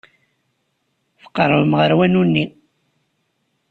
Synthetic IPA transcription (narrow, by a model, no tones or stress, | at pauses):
θə̥qːəɾˤvəmʁəɾwænunːi